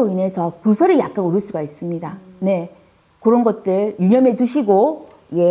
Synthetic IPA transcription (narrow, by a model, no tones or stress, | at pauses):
oine̞sʰʌkusʰʌɾijak̚k͈anoɾɯɭs͈uɡais͈ɯmɲidane̞ | kɯɾʌnɡʌt̚t͈ɯɭjuɲʌme̞tuɕʰiɡo | je